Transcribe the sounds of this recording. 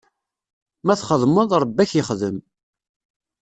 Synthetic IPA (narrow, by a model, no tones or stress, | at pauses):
mæθχəðˤməðˤɾˤəbːæçjəχðəm